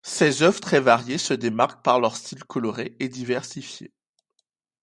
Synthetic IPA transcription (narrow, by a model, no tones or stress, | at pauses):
sezœvʁt̪χɛvaʁjesəd̪emaʁk̚paʁlœʁst̪ilkʰɔlɔʁeed̪ivɛʁsifjḛ